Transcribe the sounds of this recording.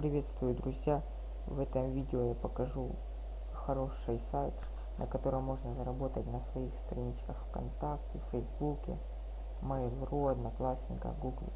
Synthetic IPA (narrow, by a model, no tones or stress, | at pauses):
pɾʲɪvʲe̞t̪st̪vʊjʊd̪ɾʊzʲja | vɛt̪əmvʲidʲɪojapəkɐʐu | xɐɾo̞ʂːɨjsajt̪ | nʔɐ̰kɐt̪o̞ɾəmmːo̞ʐnəzɐɾɐbo̞t̪ətʲnəsvɐixst̪ɾɐnʲit͡ɕkəxfkɐ̰nt̪aktʲɪfɛjzbukʲɪ̰ | mɛjlˠruɐd̪nɐklˠasʲnʲɪkə̰ɡuɡlʲɪ̰